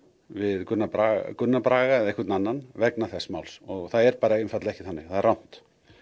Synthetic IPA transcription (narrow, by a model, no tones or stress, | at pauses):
vɪðkʏnːaɾakʏnːapɾaːɣaɛðejhkvʏɾt̪nanːanvɛknaθɛsːmawlsɔɣθaðɛɾpaːɾaɪnmfat̪laɛhcɪθanːɪθaðɛɾrawn̥t̪